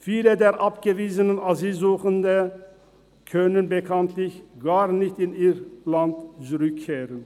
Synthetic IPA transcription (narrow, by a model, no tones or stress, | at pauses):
fiːlədeːʁʔapɡ̥əviːzənənaziːzuːχəndə | kʰœnənbəkʰant̪ʰlɪçɡ̥aːʁnɪçtɪniːʁlantt͡suʁʏkʰːeːʁən